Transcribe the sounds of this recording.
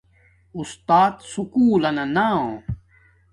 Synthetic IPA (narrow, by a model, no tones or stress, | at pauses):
ust̪aːt̪sukuːlɐnɐnaõ